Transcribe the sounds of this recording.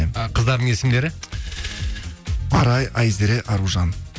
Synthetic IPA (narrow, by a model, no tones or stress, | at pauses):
mqʰəzd̪ɑɾd̪əɴe̞sɪmd̪e̞ɾɪ | ɑɾɑjɑjzeɾeʔɑɾuʒɑn